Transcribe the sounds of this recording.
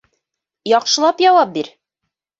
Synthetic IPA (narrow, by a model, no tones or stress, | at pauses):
jɒqʃɤ̆lˠɑpjɒwɑp̚biɾ